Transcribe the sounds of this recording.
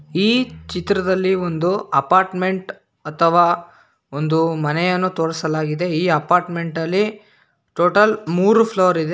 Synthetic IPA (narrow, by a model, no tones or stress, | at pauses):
iːt͡ʃit̪ɾɐd̪ɐlːiond̪uɐpaːɾʈme̞ɳʈ | ɐt̪ʰɐʋaː | ond̪umɐnɛjɐnːut̪oːɽɐsɐlaːɡid̪e̞iːɐpaːɾʈme̞ɳʈɐlːi | ʈoːʈɐlmuːɾupʰloːɾid̪e